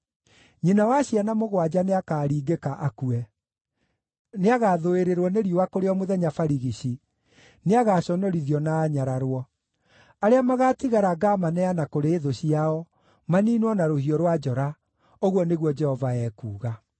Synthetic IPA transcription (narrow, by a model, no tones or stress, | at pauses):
ɲinawaɕianamoɣwad͡ʑaneakaːɾiːɡekaʔakuɛ | neaɣaːðoeɾeɾwɔneɾiowakoɾeɔmoðɛɲafaɾiɣiɕi | neaɣaːɕɔnɔɾiðiɔnaːɲaɾaɾwɔ | aɾeamaɣatiɣaɾaɡamanɛanakoɾeeðoɕiaɔ | maniːnwɔnaɾohiɔɾwad͡ʒɔɾa | oɣwɔneɣwɔd͡ʒɛhɔvaɛːkuːɣa